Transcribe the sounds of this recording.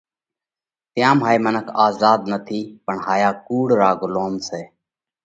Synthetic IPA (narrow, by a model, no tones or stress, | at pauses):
t̪jãːmɦaːiːmənəkʰaːzaːd̪nət̪ʰiːpəɳɦaːjaːkuːɽɾaːɡʊloːmseː